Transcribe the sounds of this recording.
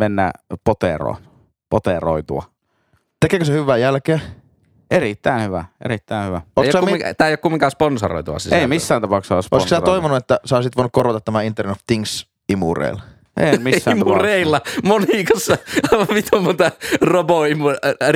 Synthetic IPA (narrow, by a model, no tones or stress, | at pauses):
menːæ̰pot̪ḛro̰ˑn | pot̪ero̰it̪ṵɑ̰ | t̪ekeːˑkøsehyʋːˑæːjælkeː | ʔerit̪ːæinhyʋæḛrit̪ːæˑenhyʋæotejkjosɑmit̪æːejokumːiŋkɑsponso̰ro̰it̪uɑ̰siseˑimisːæːnt̪ɑpɑˑukssso̰isiætoiʋonuet̪ːæseoˑisit̪ʋoˑinukkorot̪ɑt̪t̪ːæmæint̪ːernoft̪iŋs | imṵrḛil | ḛiænmisːæːmureilːɑmonikɑsːɑɑiʋɑʋmit̪umːont̪ɑroboimu